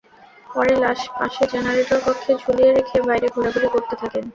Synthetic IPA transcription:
pɔɾelaʃpa̰ʃed͡ʑɛnaɾeʈoɾkɔkʰːed͡ʑʱolieɾekʰebajɾeɡʱuɽaɡuɾikoɾt̪et̪ʰaken

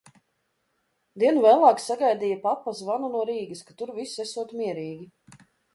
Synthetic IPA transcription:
d̪iɛnuvæːlˠaːksaɡajd̪iːjapapːasvanunuɔɾiːɡəskat̪uɾvisɛsuɔt̪miɛɾiːɡʲi

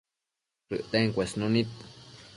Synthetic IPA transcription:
ɾɨ̰ʔt̪eŋkʷesnũnĩt̪

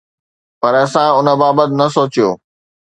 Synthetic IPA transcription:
pɐɾɐsãʊnə̆baːbət̪ɪnɐsoːt͡ɕijoː

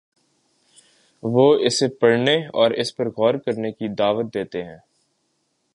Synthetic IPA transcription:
ʋoːɪsepɐɽneɔ̰ːɾɪspɐɾɣɔːɾkɐɾnekid̪aːʋət̪̚d̪eːt̪eɦɛ̃ː

